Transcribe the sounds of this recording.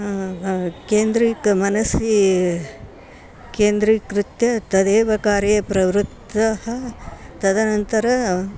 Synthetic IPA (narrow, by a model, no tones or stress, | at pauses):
keːnd̪ɾiːkɐmɐnɐsi | keːnd̪ɾikɾut̪jɐt̪ɐd̪eːʋɐkaːɾejɐpɾɐʋɾut̪ːɐɦɐt̪ɐd̪ɐnɐnt̪ɐɾɐ